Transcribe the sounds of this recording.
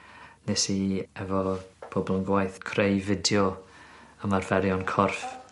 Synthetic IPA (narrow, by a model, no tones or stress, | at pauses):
nesiɛvɔb̥ʰobɔlˠənɡwajθkʰrejvɪdjɔ | əmarvɛɾjɔnkʰɔrf